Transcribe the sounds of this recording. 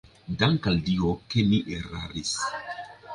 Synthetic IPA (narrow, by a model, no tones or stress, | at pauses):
daŋkaldiokemiʔeɾaɾis